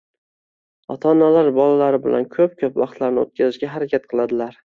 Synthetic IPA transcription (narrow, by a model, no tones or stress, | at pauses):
ɒt̪ʰɒnalaɾbɒlalaɾɪbɪ̰lʔa̰nkʲʰɵp̚kʲʰɵpvɑχqt̪laɾnɪo̰t̪̚kʲʰazɪʃɡʲaɦaɾakʲat̪̚qʰɨlˠad̪ɪlaɾ